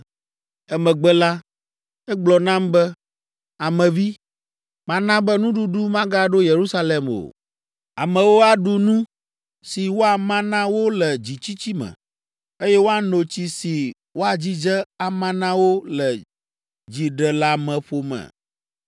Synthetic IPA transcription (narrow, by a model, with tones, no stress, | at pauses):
ɛ˦mɛ̃˨ɡ͡bɛ˦la˦ | ɛ˦ɡ͡blɔ˨nã˦mbɛ˦ | a˨mɛ̃˨vi˦ | mã˦nã˦bɛ˦nũ˦ɖu˦ɖu˦mã˦ɡa˦ɖo˦je˨ɾu˦sa˦le˨mo̰˨ | a˨mɛ̃˨wo˦a˨ɖu˨nũ˦ | si˨wo˦a˨mã˦nã˦wo˦lɛ˨d͡ʑi˨t͡ɕi˦t͡ɕi˦mɛ̰̃˨ | e˦jɛ˦wo˦a˨no˨t͡ɕi˨si˨ | wo˦a˨d͡ʑi˦d͡ʒɛ˦a˨mã˦nã˦wo˦lɛ˨ | d͡ʑi˨ɖɛ˨la˦mɛ̃˨ɸo˨mɛ̰̃˨